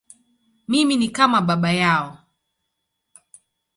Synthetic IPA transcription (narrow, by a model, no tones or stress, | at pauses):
miminikamaɓaɓajaɔ